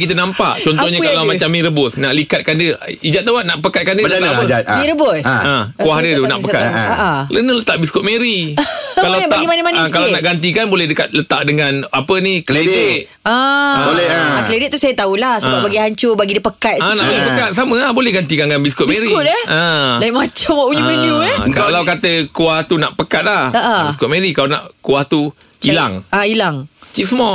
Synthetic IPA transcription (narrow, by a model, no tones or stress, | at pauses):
kit̪ənampa̰ʔt͡ʃɔnt̪ɔhɲakalawmat͡ʃamːĩɾəbʊsnaʔlikat̪̚kandəid͡ʒat̪ːawanaʔpəkat̪̚kandət̪aapəat̪mĩɾəbʊskuahdət̪una̰ʔpəka̰t̪aʔalə̰nələt̪aʔbiskʊt̪̚meɾikalabaimanəmankalanaʔɡant̪̬ikanbolɛhdəkat̪̚lət̪aʔdəŋãnapənikəlede | aolɛakledɪʔ̪t̪ːusajat̪aulahsəəbabaɡiɦaɲt͡ʃʊbaɡidipəkat̪anaʔbolɛpəkat̪̚samə̃labolɛhɡant̪ikanɡanbiskʊt̪̚bmẽɾiʊt̪̚ɛə̃daiʔmat͡ʃamwaʔuɲumeniuɛkalawkat̪əkuaht̪unaʔpəkat̪̚lahəʔaiskʊt̪̚mẽɾikalana̰ʔkuaht̪u | ila̰ŋailaŋt͡ʃiʔsəma